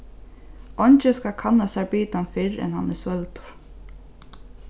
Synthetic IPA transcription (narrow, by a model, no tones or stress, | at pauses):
ʔɔɲt͡ʃɪskakʰanːasɛɹpiːt̪anfɪɹɛ̰nha̰nːɛsœlt̪ʊ̥ɾ̥